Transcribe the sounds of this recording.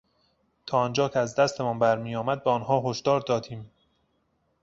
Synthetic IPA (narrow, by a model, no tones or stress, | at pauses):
t̪ʰɒːɒnd͡ʒɒːkʲʰeæzd̪æst̪ʰe̞mɒnbæɾmiːjɒːmæd̪̚beɒnɦɒːɦoʃd̪ɒːɾd̪ɒːd̪iːm